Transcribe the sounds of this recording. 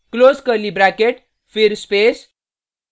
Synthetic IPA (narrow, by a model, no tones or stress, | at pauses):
kloskəɾlibɾakeʈ | fiɾspes